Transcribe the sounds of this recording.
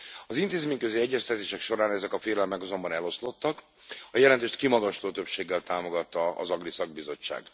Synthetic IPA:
ɒzint̪eːzmeːɲkøziɛɟːɛst̪ɛt̪eːʃɛkʃo̞ɾaːnɛzɛkɒfeːlɛlmɛkɒzo̞mbɒnɛlo̞slo̞t̪ːɒk | ɒjɛlɛnt̪eːʃt̪kimɒɡɒʃloːt̪øpʃeːɡːɛlt̪aːmo̞ɡɒt̪ːɒɒ̰zɒɡlisɒɡ̚bizo̞t͡ʃːa̰ːɡ

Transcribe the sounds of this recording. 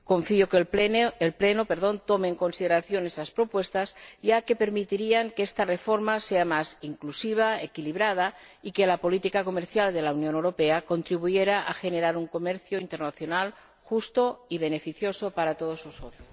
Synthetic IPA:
ko̞ɱfiokeelplenopeɾðo̞nt̪omeːŋko̞nsið̞eɾaθjo̞nesaspɾo̞pwe̞st̪asjake̞pe̞ɾmit̪iɾiaŋkeest̪arefo̞ɾmaseamasiŋklusiβ̞aekiliβɾað̞a | ikelapo̞lit̪ikako̞meɾθjald̪e̞lawnjonewɾo̞peako̞nt̪ɾiβ̞ujeɾaʔaxe̞neɾaɾuŋko̞meɾθjoint̪e̞ɾnaθjonal | xust̪o̞iβ̞e̞ne̞fiθjo̞sopaɾat̪oð̞osusoθjos

